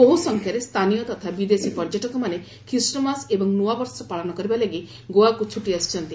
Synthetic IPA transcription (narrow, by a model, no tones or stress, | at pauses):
boɦusɔŋkʰjaɾest̪ʰanijɔt̪ɔt̪ʰabid̪esipɔɾd͡ʒɔʈɔkɔmane | kʰɾisʈɔmasebɔŋnuabɔɾsɔpaɭɔnɔkɔɾibalaɡi | ɡoakut͡ʃʰuʈiasi̥t͡ʃʰɔnt̪i